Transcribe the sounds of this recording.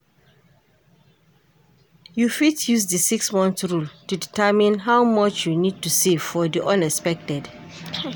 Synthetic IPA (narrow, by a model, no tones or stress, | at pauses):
jufitjuzdəsiksmɔ̃nθɹultuditʰɛmĩnɦawmʌt͡ʃjunid̚tusev̥fɔdiʔɔ̃nɛkspɛk̚tɛd